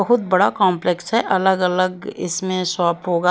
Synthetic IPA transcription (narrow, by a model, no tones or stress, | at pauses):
ɐɦʊt̪̚bɐɽakãːmplɛksɦɛʔɐləɡɐləɡɪ̰smẽsaːpɦoːɡaː